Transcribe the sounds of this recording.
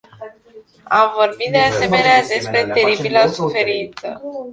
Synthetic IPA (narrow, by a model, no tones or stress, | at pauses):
amvo̞rbit̪̚d̪ease̞me̞nead̪e̞spɾe̞t̪e̞ɾibiləsufe̞ɾint̪sə̰